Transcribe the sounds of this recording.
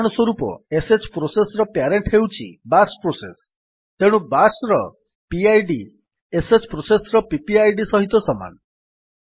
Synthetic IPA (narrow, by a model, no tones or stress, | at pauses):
ɽ̃ɔswɔɾupɔ̰eset͡ʃpɾosesɾɔpjaɾeɳʈɦewt͡ʃʰḭbaspɾoses | t̪eɽ̃ubasɾɔ | piajɖi | eset͡ʃpɾosesɾɔpipiajɖisɔɦit̪ɔsɔma̰nɔ